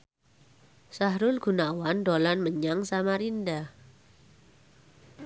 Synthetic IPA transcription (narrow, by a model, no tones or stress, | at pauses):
saɦɾʊlɡ̥unawandolanməɲaŋsamaɾindah